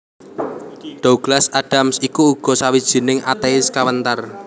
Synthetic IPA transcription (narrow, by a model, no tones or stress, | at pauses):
ɖ̥ouɡ̥lasaɖ̥a̤msikuːɡ̥ɔ̤sawid̥ʒ̥i̤nɪŋʔat̪eɪskawənt̪ar